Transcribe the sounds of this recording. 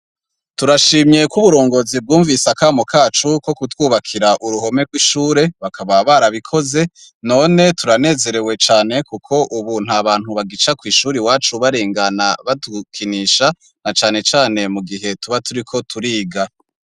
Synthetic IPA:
tuɾaʃiːmɲe̞kuβuɾo̞ːŋɡo̞ːzib̚ɡuːɱvisakaːmokʰaːt͡ʃuko̞kutwuːβakʰiɾaʔuɾuɦo̞me̞ɡwiʃuːɾe̞βakʰaβaβaɾaβikʰo̞ze̞ | no̞ːne̞tuɾane̞ːze̞ɾe̞we̞t͡ʃaːne̞kukʰo̞ʔuβuːn̥haβaːn̥huβaɡit͡ʃakwiːʃuːɾiwaːt͡ʃuβaɾeːŋɡanaβatukʰiniːʃa | nat͡ʃaːne̞t͡ʃaːne̞muɡiɦe̞tuβatuɾikʰo̞tʰuɾiːɡa

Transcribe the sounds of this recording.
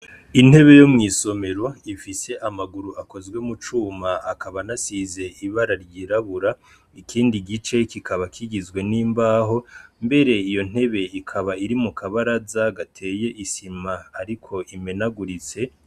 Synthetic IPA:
in̥he̞βe̞jo̞mŋiːso̞me̞ɾo̞ifise̞ʔamaɡuɾuʔako̞zɡwe̞mut͡ʃuːmaakʰaβanasize̞ʔiβaɾaɾɟiɾaβuɾa | ikʰiːndiɡit͡ʃe̞kikʰaβakʰiɡizɡwe̞niːmbaːɦo̞mbe̞ɾe̞ijo̞n̥e̞βe̞ikʰaβaiɾimukʰaβaɾazaɡatʰe̞ːje̞ʔisimaːɾikʰo̞ʔime̞naɡuɾit͡se̞

